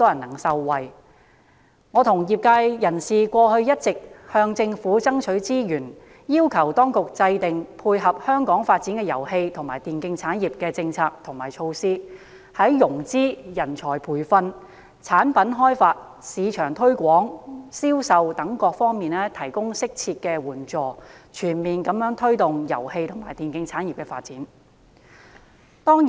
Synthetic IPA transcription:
t̪ɔː˥jɐ˨˩nɐ˨˩ŋsɐ˧wːɐ˨˩j | ŋɔː˨˧t̪ʰʊ˨˩ŋjiː˨˩p̚kaː˧jjɐ˨˩nsiː˨kʷɔː˧hɵ˧ɥjɐ˥t̚t͡sɪ˨k̚hœː˧ŋt͡sɪ˧ŋfuː˨˥t͡sɐ˥ŋt͡ʃʰɵ˨˥ɥt͡siː˥jyː˨˩n | jiː˥wkʰɐ˨˩wt̪ɔː˥ŋkʊ˨k̚t͡sɐ˧jt̪ɪ˨ŋpʰuː˧jɦɐ˨p̚hœː˥ŋkɔː˨˥ŋfaː˧t̚t͡siː˨˥nkɛː˧jɐ˨˩whe˧jt̪ʰʊ˨˩ŋmaː˨˩jt̪iː˨˩nkɪ˧ŋt͡sʰaː˨˥njiː˨p̚kɛː˧t͡sɪ˧ŋt͡sʰaː˧k̚t̪ʰʊ˨˩ŋmaː˨˩jt͡ʃʰo˧wsiː˥ | hɐ˨˥jːʊ˨˩ŋt͡siː˥jɐ˨˩nt͡ʃʰɔː˨˩jpʰuː˨˩jfɐ˧n | t͡sʰaː˨˥npɐ˨˥nɦɔː˥jfaː˧t̚ | siː˨˧t͡ʃʰœː˨˩ŋt̪ʰɵ˥ɥkʷɔː˨˥ŋsiː˥wsɐ˨wt̪ɐ˨˥ŋkɔː˧k̚fɔː˥ŋmiː˨nlɛː˥t̪ʰɐ˨˩jkʊ˥ŋsɪ˥k̚t͡sʰiː˧t̚kɛː˧wuː˨˩nt͡sɔː˨t͡ʃʰyː˨˩nmiː˨nkɐ˨˧mjœː˨˥ŋt̪ʰɵ˥ɥt̪ʊ˨ŋjɐ̰˨˩whe˧jt̪ʰʊ˨˩maː˨˩jt̪iː˨nkɪ˧ŋt͡sʰaː˨˥njiː˨p̚kɛː˧faː˧t̚t͡siː˨˥n | t̪ɔː˥ŋ

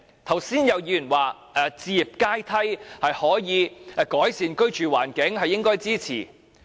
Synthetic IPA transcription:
t̪ʰɐ˨˩wsiː˥njɐ˨˧wjiː˧˩y˨˩waː˨ | ɛː˨˧t͡siː˧ji˨p̚kaː˥jt̪ʰɐ˥jhɐ˨jhɔː˨˥jiː˨˧˨kɔː˨˥jsiː˨nkɵ˥ɥt͡ʃyː˨wa̰ː˨˩nkɪ˨˥ŋhɐ˨jːɪ˥ŋkɔː˥jt͡siː˥t͡sʰḭː˨˩

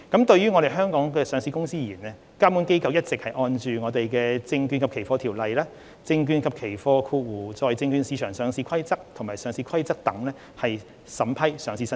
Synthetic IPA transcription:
kɐ˨˥mt̪ɵ˧ɥyː˥ŋɔ˨˧ɾe˨jɦœː˥ŋkɔː˨˥ŋkɛː˧sœː˨˥ŋsiː˧kʊ˥ŋsiː˥jiː˨˩nɛ˥ | kaː˥mu˨˥nke˥jkɐ˧wjɐ˥t̚t͡sɪ˨k̚hɐ˨jʔɔː˧nt͡ʃyː˨ŋɔː˨˧t̪e˨jkɛː˧t͡sɪ˧ŋky˧nkʰɐ˨p̚kʰe˨˩jfɔː˧˥t̪ʰiː˨˩wlɐ˨jlaː˥ | t͡sɪ˧ŋkyː˧nkʰɐ˨p̚kʰe˨˩jfɔː˧kʰuː˧wuː˨˩t͡sɔː˨˧jt͡sɪ˧ŋkyː˧nsiː˨˧t͡ʃʰœː˨˩ŋsœː˨˥ŋsiː˧kʰɐ˥jt͡sɐ˥k̚t̪ʰʊ˨˩ŋmaː˨˩sœː˨˥ŋsiː˧kʰɐ˥jt͡sɐ˥k̚t̪ɐ˨˥ŋlɛː˥ | hɐ˨j | sɐ˨˥mpʰɐ˥jsœː˨˧ŋsi˧sɐ˥

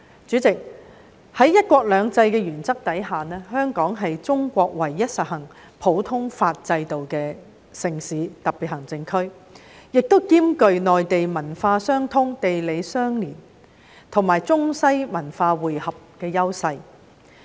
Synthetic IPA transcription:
t͡ʃyː˨˥t͡sɪ˨k̚ | hɐ˨˥jːɐ˥t̚kʷɔː˧k̚lœː˨˧ŋt͡sɐ˧jkɛː˧ɥyː˨˩nt͡sɐ˥k̚t̪ɐ˨˥jɦaː˨nɛː˥ɦœː˥ŋkɔː˨˥ŋɦɐ˨jt͡sʊ˥ŋkʷɔː˧k̚wɐ˨˩jːɐ˥t̚sɐ˨t̚hɐ˨˩ŋ | pʰo˨˥wt̪ʰʊ˥ŋfaː˧t̚t͡sɐ˧jt̪o˨wkɛː˧ | sɪ˨ŋsiː˨˧˦t̪ɐ˨k̚pːiː˨t̚hɐ˨˩ŋt͡sɪ˧ŋkʰɵ˥ɥ | jɪ˨k̚t̪o˥wkiː˥mkɵ˨˧ɥnɔː˨jt̪e˨jmɐ˨˩nfaː˧sœː˥ŋt̪ʰʊ˥ŋt̪e˨jle˨˧jsœː˥ŋliː˨˩n | t̪ʰʊ˨˩ŋmaː˨˩jt͡sʊ˥ŋsɐ˥jmɐ˨˩nfaː˧wuː˨jhɐ˨p̚kɛː˧jɐ˥wsɐ˧j

